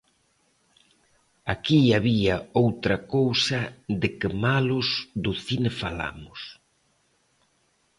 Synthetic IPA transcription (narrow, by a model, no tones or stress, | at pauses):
akiaβiɐowt̪ɾɐkowsɐðɪkɪmalʊsd̪ʊθinefala̰mʊs